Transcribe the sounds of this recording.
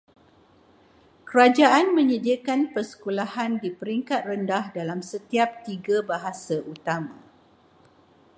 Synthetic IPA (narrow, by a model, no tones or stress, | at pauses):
kəɾad͡ʒaʔanmə̃ɲədiakanpərsə̥kulahandipəɾiŋkat̪̚rəndahdalamsət̪iap̚t̪iɡabaɦasaʔut̪amã